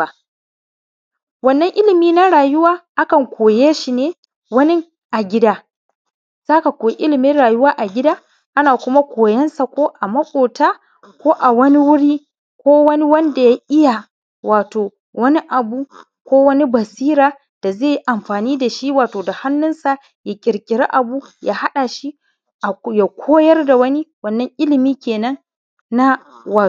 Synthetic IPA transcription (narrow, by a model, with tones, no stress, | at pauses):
a˨ | wɐ˦nːɐ˦ŋʔɪ˦lɪ˨miː˦na˦ɽaː˨jʊ˦waː˦ʔa˦kɐ˨ŋkʷʰoː˨jeː˦ʃi˨neː˦ | wɐ˦nɪ˦ŋ | ʔa˨ɡʲɪ˦daː˦ | z̥aː˦ka˨kʷoː˨jʔɪ˦lɪ˨mɪ˦nɽaː˨jʊ˦waː˦ʔa˨ɡʲɪ˦daː˦ | ʔa˦naː˨kʷʊ˦ma˦kʷoː˨jɐ˦nsa˨kʷoː˦ʔa˨mɐ˦kʷʼoː˨taː˦ | kʷoː˦ʔa˨wɐ˦ni˦wʊ˦ɽiː˦ | kʷoː˦wɐ˦ni˦wɐ˦nda˨ja˦ʔɪ˦ja˨ | wʔaː˨toː˨ | wɐ˦ni˦ʔa˨buː˦ | kʷoː˦wɐ˦ni˦bɐ˨siː˦ɾaː˨ | d̥a˨zeː˦˨ji˦ʔa˨mɸaː˨niː˦da˨ʃi˦waː˨toː˨da˨ha˦nːʊ˦nsa˨ | ja˦kʲʼɪ˨ɾkʲʼɪ˨ɾa˦ʔa˨buː˦jaː˦ha˦ɗa˨ʃi˦ | ʔa˨ja˨kʷʰoː˦jɐ˦rda˨wɐ˦ni˦wɐ˦nːɐ˦ŋʔɪ˦lɪ˨miː˦kʲeː˨nɐ˦nː | a˦waː˨